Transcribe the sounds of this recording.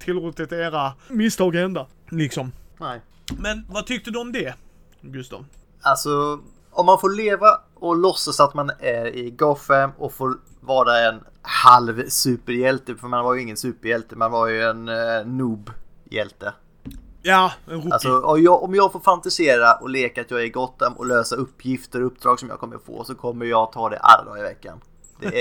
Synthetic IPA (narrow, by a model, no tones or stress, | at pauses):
t̪ʰɪlɾuːt̪ːɪt̪eːɾamɪst̪ʰɑːɡɛnd̪a | lɪksɔmnɛ | mɛnvat̪ʰʏk̚t̪əd̪ɵɔmd̪ɛ | ɡɵst̪ɑ̰ːv | alsɔ | ɔmːanfoːɭeːva | ɔlɔsːasat̪manæɾɪɡɑfɛmːɔfoːɾ | vɑːɾaɛn | halvsʉ̟ːpəɾjɛlt̪əfœmanvaɾjɵɪŋːənsʉ̟ːpəɾjɛlt̪əmanvaɾjɵɛnːuːbjɛ̰lt̪ə | a̰lsɔɔjɑʔɔmjɑːɡfoːɾfant̪ɪseːɾaʔɔ̰leːkaːt̪jɑːɡæɾɡɔt̪ːɛmɔ̰løːsaɵpːjɪft̪əɾɵpːd̪ɾɑːɡsɔmjɑ̰ːɡkʰɔmːə̰fo̰ːsɔkʰɔmːəɾjɑːɡt̪ʰɑːd̪ɛ̰ʔa̰la̰d̪ɑ̰ːɾɪvɛkːa̰n | d̪̥ɛ